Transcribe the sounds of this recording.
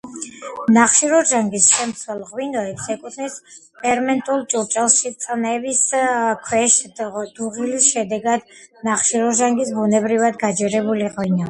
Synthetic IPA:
naχʃiɾɔʒaŋɡisʃɛmt̪sʰwɛlˠʁwinɔɛpsɛkʼut̪ʰnispʰʼɛɾmɛnt̪ʼulˠt͡ʃʼut͡ʃʼɛlˠʃit̪sʼnɛbiskʰwɛʃd̪̥uʁilisʃɛd̪ɛɡad̪ | naχʃiɾɔʒaŋɡisbunɛbɾivad̪ɡad͡ʒɛɾɛbuliʁwinɔ

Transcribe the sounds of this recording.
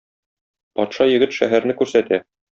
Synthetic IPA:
pɒt̪ʃɑjɘ̆ɡɘt̪ʃæɦæɾnɘkʉɾsæt̪æ

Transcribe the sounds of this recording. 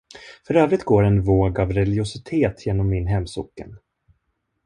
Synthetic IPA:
fœɾøːvɾɪt̪̚ːɡoːɾɛnvoːɡavɾɛlɪɡʊsɪt̪ʰeːt̪ʰjeːnɔmːɪnɦɛmːsʊ̰kːə̰n

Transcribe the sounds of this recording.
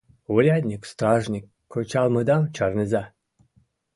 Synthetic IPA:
uɾʲad̪ʲnʲikst̪rɑʐnʲikːot͡ɕɑlˠmɤd̪ɑmt͡ɕɑrnʲɨzɑ

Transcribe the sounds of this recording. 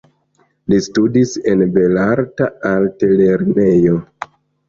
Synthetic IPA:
listudise̞nbe̞laɾtaaltele̞ɾnejo̞

